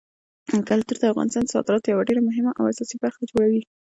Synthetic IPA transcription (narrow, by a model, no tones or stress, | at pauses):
kalt̪uɾd̪əafɣɑ̰nɪst̪ɑnd̪əsɑ̰d̪ɪɾɑt̪ojawaɖeɾamʊɦɪmaʔawasɑsibaɾxad͡ʒoɽawi